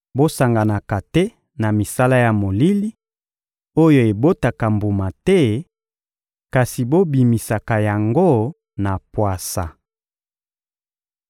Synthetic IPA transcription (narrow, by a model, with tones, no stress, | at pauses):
bo˦sa˨ŋɡa˨na˨ka˨tɛ˦ | na˨mi˨sa˦la˦ja˨mo˨li˦li˦ | o˦jo˨e˨bo˦ta˨ka˨mbu˨ma˨tɛ˦ | ka˨si˨bo˦bi˨mi˨sa˨ka˨ja˨ŋɡo˦ | na˨pwa˨sa̰˨